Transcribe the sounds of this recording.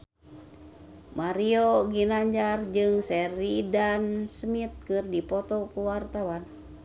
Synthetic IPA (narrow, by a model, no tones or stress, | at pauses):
maɾioɡinaɲd͡ʒard͡ʒɨŋsɛɾidansmit̪̚kɨrdipɔt̪ɔkuwart̪awan